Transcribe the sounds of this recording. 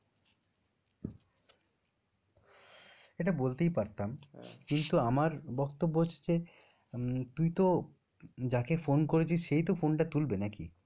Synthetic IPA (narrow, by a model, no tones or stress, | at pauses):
eʈabolt̪ejpaɾt̪amkint̪uamaɾbɔkt̪obːoɦoed͡ʑe | t̪ujt̪o | d͡ʑakefonkoɾet͡ɕʰisʃejt̪ofonʈat̪ulbenakḭ